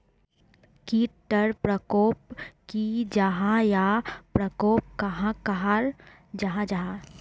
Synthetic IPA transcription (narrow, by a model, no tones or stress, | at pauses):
kiːʈːəɾpɾəkoːpkid͡ʒaɦãjapɾɐkoːp̚kɐɦãkɐɦaɾ | d͡ʒɐɦãd͡ʒaɦã